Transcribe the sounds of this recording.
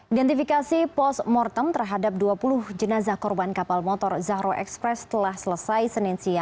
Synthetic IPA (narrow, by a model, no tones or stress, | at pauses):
ʔidɛnt̪ifikasipɔsmɔrt̪əmt̪ərɦadap̚duapulʊhd͡ʒənazahkɔrbankapalmɔt̪ɔrzaɦɾoʔɛ̰kspɾɛst̪əlahsələsajsəninsia